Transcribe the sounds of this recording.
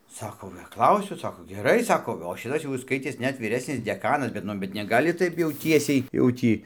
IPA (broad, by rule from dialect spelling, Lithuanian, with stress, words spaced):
ˈsɑːkoː pɐˈklˠɐʊsʲʊ ˈsɑːkoː ɡʲɛˈrɐɪ ˈsɑːkoː oː ˈʃʲɪtɐs jɛʊ ɪs ˈskɐɪtʲeːs ˈnʲɛt ʋʲiːˈrʲæːsʲnʲɪs dʲɛˈkɑːnɐs bʲɛt ˈnʊ bʲɛt nʲɛˈɡɑːlʲɪ ˈtɐɪp jɛʊ ˈtʲiɛsʲɛɪ jɛʊ ˈtʲiː